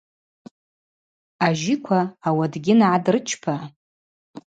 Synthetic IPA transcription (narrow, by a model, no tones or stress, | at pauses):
aʒikʷʰaːwadɡʲɪnʕadrɨt͡ʃʰpʰa